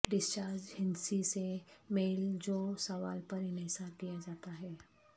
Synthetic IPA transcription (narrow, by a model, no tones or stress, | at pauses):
ɖɪst͡ʃaːɾd͡ʒɦɪ̃nsisemeːld͡ʒoːsɐʋaːlpɐɾɪnesad̪ijad͡ʒaːt̪aɦɛː